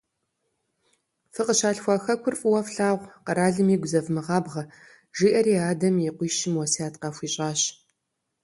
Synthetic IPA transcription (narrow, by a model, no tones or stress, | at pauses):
fɨqəɕaːɬxʷɐxɐkʷʰʊrfʼwɐfɬaːʁʷqɐɾaːɮɨmiːɡʷʊzɐvmɨʁɑːbʁɐ | ʒiːʔɐɾiːaːdɐmjiqʷiːʃɪmwɔsiaːtqɐxʷiːɕʼaːɕ